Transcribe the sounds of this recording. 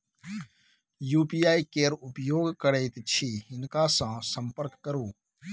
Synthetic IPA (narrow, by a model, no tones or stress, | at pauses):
juːpiːaːikeːɾʊpjoːɡkəɾeːt̪t͡ʃʰiːɦɪnkaːsãːsə̃mpəɾkːəɾoː